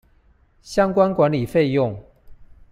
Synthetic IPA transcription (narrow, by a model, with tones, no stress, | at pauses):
ɕjɑ˦ŋkwa˦nkwa˧˦nli˨˩fe˥˧ɪjʊ˥˨ŋ